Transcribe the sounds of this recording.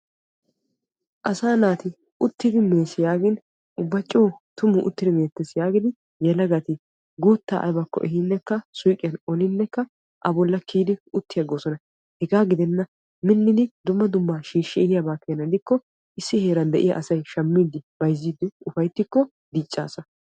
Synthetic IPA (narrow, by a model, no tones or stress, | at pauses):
ʔɐsaːnaːt̪ɪ | ʔʊt̪ːɪd̪ɪmeːsɪjaːɡɪn | ʊbːɐt͡ʃʼːoːt̪ʊmʊʔʊ̰t̪ːɪd̪ɪmeːt̪ːɛsjaːɡɪd̪ɪ | jɛlɐɡɐt̪ɪ | ɡuːt̪ːa̰ːʔɐ̰jbɐkːɔ̰ʔɛɦɪnːɛkːɐsʊjkʼɪjɐnɔlɪnːɛkːɐ | ʔɐbɔlːɐkiːd̪ɪʊt̪ːɪjɐɡoːsɔnɐ | hɛɡaːɡɪd̪ɛnːɐ | mɪnːɪd̪ɪd̪ʊmːɐd̪ʊmːaːʃiːʃːɛɛhɪjɐbaːkːɛjɐnɐd̪ɪkːɔ | ʔɪsːɪheːɾɐnd̪ɛʔɪjɐ̰ʔɐsɐjʃɐmːiːd̪ɪb̥ɐjzːiːd̪ɪʊfɐjt̪ːɪkːɔ | d̪iːt͡ʃʼːa̰ːsɐ